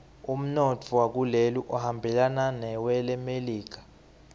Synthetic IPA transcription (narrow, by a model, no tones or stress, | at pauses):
um̩not͡fʰuwak̬uleluʔɔhambʱɛlananɛwɛlɛmeliːk̬ḁ